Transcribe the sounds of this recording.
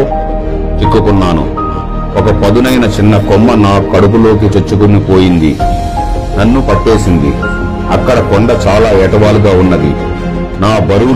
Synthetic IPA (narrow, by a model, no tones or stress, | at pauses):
t͡ʃikːukunːaːnṵ | ɔkɐpɐd̪unɐjnɐt͡ʃinːɐkɔmːɐnaːkɐɽup̬ulo̞ːk̬it͡ʃet͡ʃːukunipo̞ːjind̪ḭ | nɐnːupɐʈːe̞ːsind̪ḭ | ɐkːɐɽɐkɔɳɖɐt͡ʃaːlaːɛːʈɐʋaːluɡaːunːɐd̪ḭ | naːbɐɾu